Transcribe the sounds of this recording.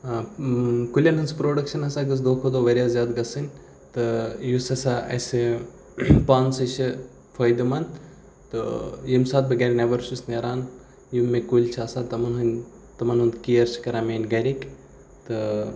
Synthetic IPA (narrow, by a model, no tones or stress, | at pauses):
kulʲɐnɦɐnspɾoːɖɐkʃɐnɐsaːɡɨs̬d̪oːkʰod̪oːʋɐɾʲijaːzjaːd̪ɡɐsɨnʲ | t̪ɨjusɐsaʔɐ̰se | paːnsɨt͡ʃɨ | fʰɐːjd̪ɐmɐn | t̪ɨ̰jimsaːt̪̚bɐɡaːɾʲinɐʋɐɾsusneɾaːn | jimːekulʲt͡ʃʰaːsaːt̪ɐmɐnɦɐnʲ | t̪ɐmɐnɦund̪kijɐɾt͡ʃʰi̥kɐɾaːmeːnʲɡɐɾʲik | t̪ɨ